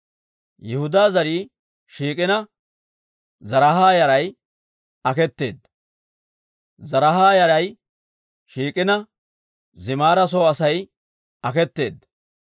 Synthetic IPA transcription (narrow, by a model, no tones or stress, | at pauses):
jɛhʊd̪aːzɐɾiː | ʃiːkʼɪnɐ | zɐɾɐɦaːjɐɾɐj | ɐkɛt̪ːe̞̰ːd̪ | zɐɾɦaːjɐɾɐj | ʃiːkʼɪnɐ | zɪmaːɾɐs̬oːɐsɐj | ɐkɛt̪ːe̞̰ːd̪